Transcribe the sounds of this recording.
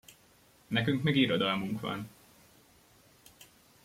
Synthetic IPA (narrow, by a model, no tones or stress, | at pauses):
nɛkyŋkmiɡiɾo̞d̪ɒlmuŋkʋɒ̰n